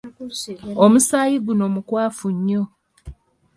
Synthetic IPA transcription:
omusaːjiɡuno̞mukwaːfuɲːo

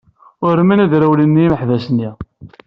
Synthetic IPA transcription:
ʊɾmænæðɾæwlənːiməħðæsnːi

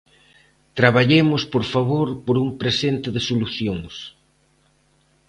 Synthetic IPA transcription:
t̪ɾaβaʎemʊspoɾfaβoɾpoɾumpɾesent̪ɪðɪsoluθjoŋs

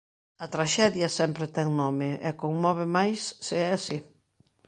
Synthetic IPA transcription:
ɐt̪ɾaʃɛðjɐsɛmpɾɪt̪ɛŋnɔmɪʔɛ̰koŋmɔβ̞ɪmajsːɪɛasi

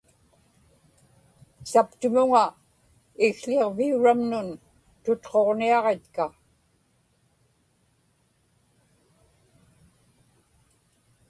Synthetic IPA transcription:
sapt̪ʊmʊŋa | ɪɣɬeʁviuɻamnʊn | t̪ʊt̪qo̞ʁniɑʁe̞t̪ka

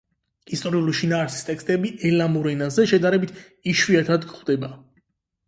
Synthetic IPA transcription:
ist̪ʼɔɾiuliʃinaːɾsi̥st̪ʼɛkst̪ʼɛbiʔɛlamuɾɛnazɛʃɛd̪aɾɛbit̪ʰ | iʃwiat̪ʰad̪ɡχwd̪ɛba

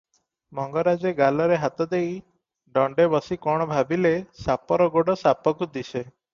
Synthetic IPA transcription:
mɔŋɡɔɾad͡ʒeɡalɔɾeɦat̪ɔd̪ej | ɖɔɳɖebɔsikɔɽ̃ɔbʱabilesapɔɾɔɡoɽɔsapɔkud̪isʰe

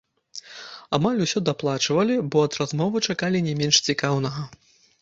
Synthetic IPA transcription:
amalʲusʲɔd̪aplˠat͡ʂvɐlʲibɔɐd̪razmɔvɨt͡ʂakalʲinʲɛmʲɛnʂt͡sʲikawnɐɣɐ

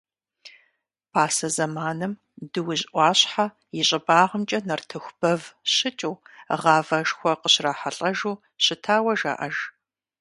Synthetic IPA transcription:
pʰaːsɐzɐmaːnɨm | dɨwʊʑʼʔʷɑːɕħa | jɪɕʼɪbaːʁəmt͡ʃʼɐnɐrtʰɨxʷb̥ɐvɕɪt͡ʃʼuːʁɑːvɐʒxʷɔqəɕraːħaɬʼɐʒuː | ɕɪtʰaːwɐʒa̰ʔɐʒ

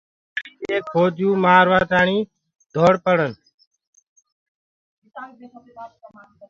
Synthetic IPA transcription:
eːkʰoːd͡ʒjuːmaːɾʋaːt̪aːɳiː | d̪ʱoːɽpəɽən

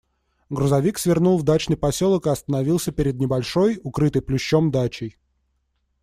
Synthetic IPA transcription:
ɡɾʊzɐvʲiksvʲɪrnulˠvd̪at͡ɕnɨjpɐsʲolˠəkɨɐst̪ənɐvʲilˠsʲəpʲɪɾʲɪd̪nʲɪbɐlʲʂo̞jʊkɾɨt̪əjplʲʊɕːo̞md̪at͡ɕɪj

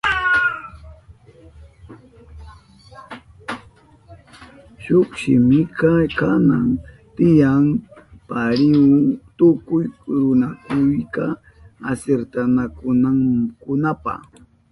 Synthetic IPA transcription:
ʃoχʃɪmɪkɑkanaŋ | t̪ɪjaŋpaɾɪwʊŋt̪ʊkʊjɾʊnakʊjka | aseɾt̪anakʊnaŋkʊnapa̰

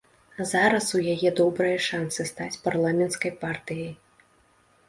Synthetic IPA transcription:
zaɾɐsujajɛd̪ɔbɾɐjɐʂant̪sɨst̪at͡sʲparlˠamʲɛnt̪skɐjpart̪ɨjɐj

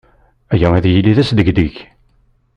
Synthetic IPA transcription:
æjæwæðjilːiðæsd̪əɡd̪iç

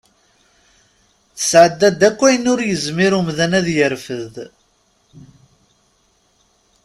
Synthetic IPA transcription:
θə̥sʕəd̪ːæd̪ːækʷːæjənʊɾjəzmiɾumðænæðjəɾfəð

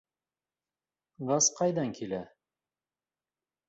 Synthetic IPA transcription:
ʁɑsqɑjd̪ɑŋkilæ

